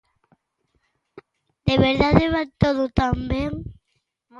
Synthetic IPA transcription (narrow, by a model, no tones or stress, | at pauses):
d̪eβeɾðaðeβat̪oðot̪ambjeŋ